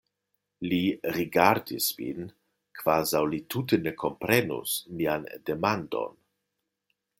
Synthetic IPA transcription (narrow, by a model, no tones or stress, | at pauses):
liɾiɡaɾdḭsvḭn | kv̥azawlitutənekʰompɾenṵsmiandemando̰n